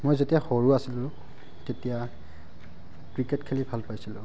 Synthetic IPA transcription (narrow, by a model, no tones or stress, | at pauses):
mojzetijaxoɹuasilʊ̃ | tetija | kɹiketkʰelibʱalpajsilʊ̰̃